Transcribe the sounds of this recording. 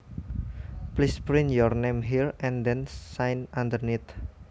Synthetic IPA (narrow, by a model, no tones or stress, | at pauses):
plispɾinjɔrnemɦiɹɛ̃nd̪ɛnsajnand̪ərnit̪